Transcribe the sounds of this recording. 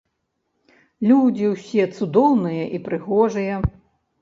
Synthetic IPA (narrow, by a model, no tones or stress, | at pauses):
lʲud͡zʲiwsʲɛt̪sud̪ɔwnɨjɐʔipɾɨɣɔʐɨjɐ